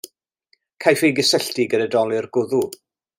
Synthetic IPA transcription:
kʰajfejɡəsɛɬtiɡədədɔlˠɪrɡʊðu

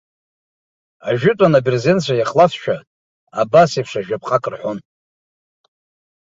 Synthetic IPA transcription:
aʒᶣɪtʼanabrzent͡ɕʷʰajaχlafʃᶣa | abasipʰʂaʒᶣapʰqʼakʼɨrħʷon

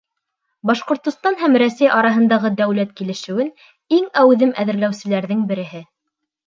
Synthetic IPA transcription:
bɑʃqŏɾt̪ŏst̪ɑnɦæmɾæsæjɑɾɑɦɤ̆nd̪ɑʁɤd̪æwlæt̪kilɘ̆ʃɘ̆wɘn | iŋæwðɘmʔæðɘ̆ɾlæwsɘ̆læɾðɘŋbɘ̆ɾɘ̆ɦɘ

